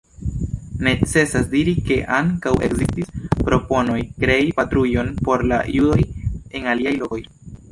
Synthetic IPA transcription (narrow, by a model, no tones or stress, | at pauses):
ne̞t͡se̞sasdiɾike̞ʔaŋkawe̞̰kzistispɾo̞po̞no̞jkɾe̞ipatɾujo̞npo̞ɾla̰judo̞je̞naliajloko̞j